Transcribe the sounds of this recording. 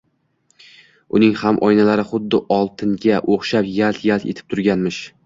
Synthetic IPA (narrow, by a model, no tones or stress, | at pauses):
ʊnɪŋhamʔɒjnalaɾɪχʊd̪ːɪʔɒlˠt̪ʰɪŋɡʲaʔoχʃapjalt̪jalt̪et̪ʰɪ̥p̚t̪ʰʊɾɡʲanmɪʃ